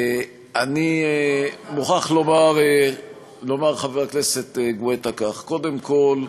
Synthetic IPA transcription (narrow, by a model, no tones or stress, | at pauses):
ani | muχaχlo̞maʁe | lo̞maʁχaveʁakneset̪eɡuet̪akaχko̞d̪emko̞l